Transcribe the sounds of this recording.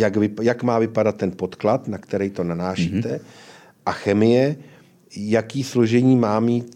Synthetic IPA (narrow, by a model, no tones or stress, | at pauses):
jakvɪjakmaːvɪpadat̪ːɛnpo̞t̪klat̪nakt̪ɛɾɛjt̪o̞nanaːʃiːt̪ɛ | ʔaxɛmɪjɛ | jakiːslo̞ʒɛɲiːmaːmiːt̪